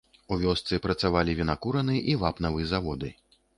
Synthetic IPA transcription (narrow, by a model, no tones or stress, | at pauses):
uvʲɔst̪sɨpɾɐt̪savalʲivʲinakuɾɐnɨjɛʔivapnɐvɨjɛzavɔd̪ɨ